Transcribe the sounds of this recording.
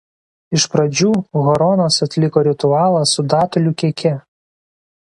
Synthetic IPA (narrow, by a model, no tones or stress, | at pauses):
ɪʃpɾɐd͡ʒʲuːɣɔɾɔːnoːsɐt̪ʲlʲɪkoːɾʲɪt̪ʊɑːlˠɑsʊd̪ɑːt̪ɔlʲuːkʲiɛkʲɛ